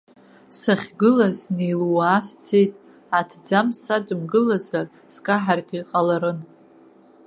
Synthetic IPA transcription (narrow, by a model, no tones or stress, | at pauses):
saχʲɡɨlaznejluwaːst͡sʰejtʼ | atʰd͡zamsadɨmɡɨlazar | skʼaħarɡʲiiqʼalaɾɨn